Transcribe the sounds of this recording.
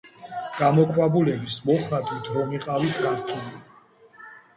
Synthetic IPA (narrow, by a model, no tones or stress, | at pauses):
ɡ̥amɔkʰwabulɛbismɔχat̪ʼit̪ʰɾɔmiqʼawit̪ʰkʰaɾt̪ʰuli